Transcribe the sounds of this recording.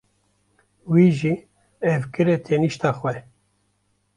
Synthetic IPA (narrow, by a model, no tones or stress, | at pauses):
wiːʒiː | ɛvkɨɾɛt̪ʰeːniʃt̪ɑːxʷwɛ